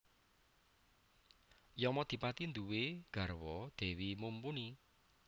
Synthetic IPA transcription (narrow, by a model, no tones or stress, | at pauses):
jɔmɔd̪̥i̤pat̪ind̪uweɡ̥a̤rwɔd̪̥ɛ̤wimumpuni